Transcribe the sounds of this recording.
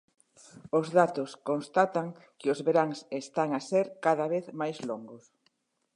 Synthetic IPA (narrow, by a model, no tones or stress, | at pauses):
ozðat̪oskonst̪at̪aŋkɪʊzβeɾaŋsest̪aŋaseɾkaðaβ̞eθmajzloŋɡʊs